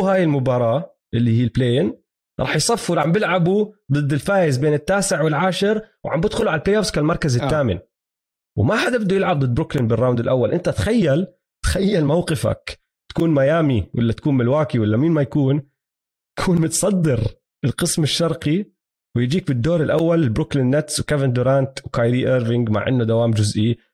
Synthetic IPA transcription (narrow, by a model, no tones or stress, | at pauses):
haːjɪlmʊbɑːɾˤɑː | ʔɪlːihiːlbleːn | ɾˤɑ̰ːħjsˤɑfːuʕambɪlʕabud̪ˤɨd̪ːɪlfaːjɪzbeːnɪt̪ːaːsɪʕwɪlʕaːʃɑɾwʕambɪd̪xʊluʕalpleːʔoskalmɑɾˤkazɪt̪ːaːmɪ̰n | wmaħad̪abɪd̪ujɪlʕab̚d̪ɨd̪ːbɾʊklɪnbɪrˤːɑːmd̪ɪlʔawːalʔɪnt̪at̪xajːal | t̪xajːalmawqɪfa̰k | t̪ḁkuːnmajaːmiwʔɪlːat̪ḁkuːnmɪlwaːkiwɪlːamiːnmajakuːn | t̪ḁkʰuːnmʊt̪sˤɑd̪ːɪɾ | ɪlqɨsmɪʃːɑɾˤqi | wɪjd͡ʒiːk̚bɪd̪ːoːɾɪlʔawːalɪlbɾʊklɪnːat̪swkavɪnd̪ʊɾant̪wkajd̪iːʔeːɾvɪŋɡma̰ʕʔɪ̰nːʊd̪awaːmd͡ʒʊzʔi